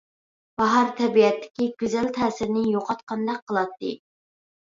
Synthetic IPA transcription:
b̥ɑɦɑɾt̪ʰɛbiɛt̪ʰːɪ̥kʲiɡʲyzælt̪ʰæːsɪɾnɪjoqʰɑt̪qʰɑnd̪ɑqʰːəlˠɑt̪ʰːɨ

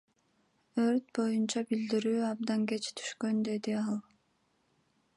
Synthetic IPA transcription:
øɾt̪̚bo̞junt͡ʃɑbild̪iɾyːɑb̚d̪ɑŋɡe̞t͡ʃt̪ʰy̥ʃkø̞nd̪e̞d̪iɑlˠ

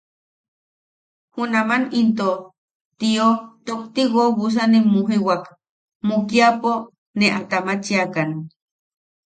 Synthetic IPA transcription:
hunamanint̪o | t̪iot̪okt̪iɣoβus̬animuɦiwak | mukiapo | neʔat̪amat͡ʃiakan

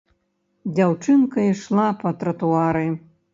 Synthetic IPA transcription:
d͡zʲawt͡ʂɨnkɐiʂlˠapɐt̪ɾɐt̪uaɾɨ

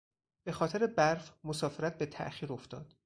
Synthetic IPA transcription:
b̥e̞xɒːt̪ʰe̞ɾebæɾfmosɒːfe̞ɾæt̪̚be̞t̪ʰæ̰ʔxiːɾo̞ft̪ɒːd̪̥

